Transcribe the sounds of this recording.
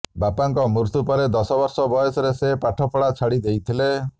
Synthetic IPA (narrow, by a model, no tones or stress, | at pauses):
bapaŋkɔmuɾsupɔɾed̪ɔsɔbɔɾsɔbɔjɔsɔɾesepaʈʰɔpʰɔɽat͡ʃʰaɽid̪ejt̪ʰile